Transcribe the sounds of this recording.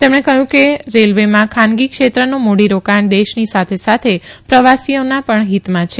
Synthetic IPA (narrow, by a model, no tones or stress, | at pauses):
t̪emɳekəɦjũkeɾelʋemãkʰanɡikʃet̪ɾənomoɽiɾokaɳd̪eʃnisat̪ʰesat̪ʰepɾəʋasijonapəɳɦit̪mãt͡ʃʰe